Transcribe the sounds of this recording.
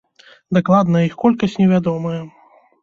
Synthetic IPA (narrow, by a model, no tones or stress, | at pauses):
d̪aklˠad̪nɐixkɔlʲkɐsʲt͡sʲnʲɛvʲad̪ɔmɐjɛ